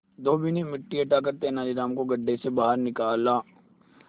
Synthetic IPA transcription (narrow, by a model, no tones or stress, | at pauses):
d̪oːbinemɪʈːiɐʈakɐɾt̪eɦɛ̃naːd͡ʒiɾaːmkoɡɐɖːesebaːɦəɾnɪkaːlaː